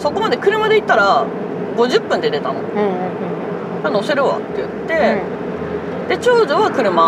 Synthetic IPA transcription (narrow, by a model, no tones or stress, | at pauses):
so̞ko̞mad̪e̞kɯ̟ɾɯ̟mad̪e̞it̪ːaɾa | ɡo̞ʑɯpːɯ̃nd̪e̞t̪e̞t̪ano̞̰ | d͡ʑano̞se̞ɾɯ̟βa̰t̪ːe̞jɯ̟t̪ːe̞ | d̪e̞t͡ɕo̞ːd̪oβakɯ̟ɾɯ̟ma